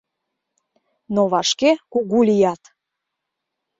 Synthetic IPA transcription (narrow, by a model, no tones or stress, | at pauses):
noβɑʃkekuɣulʲijɑt̪